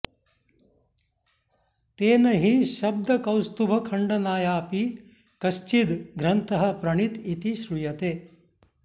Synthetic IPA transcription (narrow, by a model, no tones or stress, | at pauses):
t̪eːnɐɦiʃɐb̚d̪ɐkɐwst̪ubʱɐkʰɐɳɖɐnaːjaːpi | kɐʃt͡ʃid̪ɡɾɐnt̪ɐɦɐ̆pɾɐɳit̪it̪iʃɾujɐt̪eː